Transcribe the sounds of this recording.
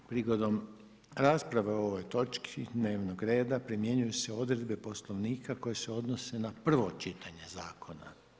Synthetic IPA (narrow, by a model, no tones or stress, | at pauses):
pɾiɡo̞d̪om | ɾaːspɾaʋeoo̞ʋo̞jt̪o̞t͡ʃkʰid̪ne̞ːʋnoɡɾe̞ːd̪apɾimje̞ɲujuseo̞d̪ɾe̞d̪be̞po̞slˠo̞ʋniːkako̞je̞se̞o̞d̪no̞se̞napr̩ʋo̞t͡ʃit̪ʰaɲe̞zaːkʰo̞na̰